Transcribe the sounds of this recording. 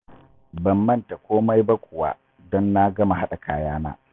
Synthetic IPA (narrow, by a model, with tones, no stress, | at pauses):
bɐ˨mːɐ˦nta˨kʷoː˦ma˦jba˦kʷʊ˨wa̰˦ | dɔ˦nːa˦ɡɐ˦ma˨ɦa˦ɗa˨kʰaː˦jaː˦na̰ː˦